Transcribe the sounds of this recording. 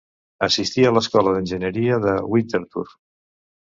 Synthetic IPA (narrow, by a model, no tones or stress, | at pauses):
əsist̪iələskɔləðənʲʒənəɾiəðəwint̪eɾt̪ṵr